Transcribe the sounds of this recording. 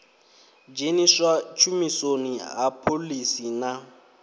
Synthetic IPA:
d͡ʒeniswat͡ʃʰumisoniɦapʰolisina

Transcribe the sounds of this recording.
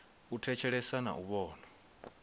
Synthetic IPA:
utʰɛt͡ʃʰɛɺɛsana̰ʔuβɔːna

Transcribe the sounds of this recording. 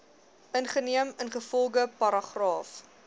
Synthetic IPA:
ʔənχəniəmənχəfɔlˠɡəpɐɾɐχrɑːf

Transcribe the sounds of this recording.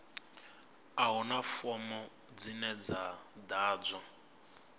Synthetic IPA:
aɦunafɔmɔ | d͡zinɛd͡zad̪aːd͡zɔ

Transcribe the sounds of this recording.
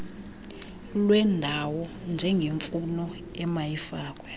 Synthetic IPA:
lwɛndʱawɔnd͡ʒʱɛŋɡʱeɱfunɔ | ɛmajifaːkʼwɛ

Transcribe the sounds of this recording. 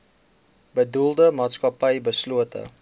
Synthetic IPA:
bədulˠdəmɑːtskɐpəjbəsluətʰə̰

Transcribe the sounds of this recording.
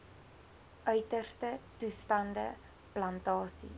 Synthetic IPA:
ʔœɥtərstətustɐndə̰ | plɐntɑːsḭ

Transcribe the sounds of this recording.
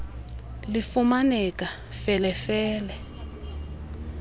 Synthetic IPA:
lifumanɛka | fɛlɛfɛːlɛ

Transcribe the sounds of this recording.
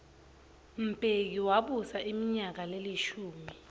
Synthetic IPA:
m̩pʼek̬iwaɓusaʔimiɲak̬aleliʃuːmi

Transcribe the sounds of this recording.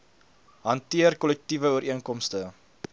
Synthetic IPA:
ɦɐntiərkɔlɛk̚tivəuəɾʔiənkɔmstə

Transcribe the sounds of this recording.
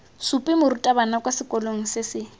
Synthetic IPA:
supʼɪmʊɾutʼabanakwasɪkʼɔloŋ̩sɪsɪ

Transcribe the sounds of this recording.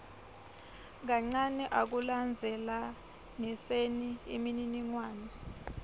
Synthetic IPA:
ŋaŋ͡ǀanɛʔak̬uland͡zʱɛla | nɛseniḭmininiŋwaːnɔ

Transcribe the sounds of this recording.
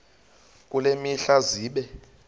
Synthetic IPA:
kʼulemiɬaziːɓɛ

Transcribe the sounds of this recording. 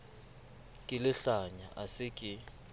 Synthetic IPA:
kʼɪlɪɬaɲaʔasɪkʼɪ

